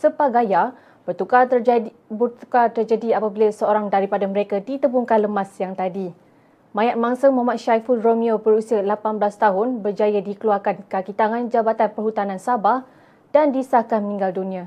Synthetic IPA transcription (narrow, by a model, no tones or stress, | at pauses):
səpaɡaja | bət̪uka | bt̪ukat̪ərd͡ʒadiapabilasəoɾaŋdaɾipadaməɾekadit̪əbuŋkanləmasjaŋt̪adi | mãjat̪̚maŋsəmamat̪ʃajfuromiobəɾusialapanbəlast̪aɦʊnbərd͡ʒajədikəluarkankakit̪aŋãnd͡ʒabat̪anpərɦut̪anãnsabah | dandisahkanmmĩŋɡaldunĩa